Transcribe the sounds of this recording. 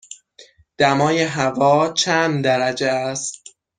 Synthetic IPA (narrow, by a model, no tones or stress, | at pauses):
d̪̥æmɒːjeɦævɒːt͡ʃʰænd̪æɾæd͡ʒeæst̪̚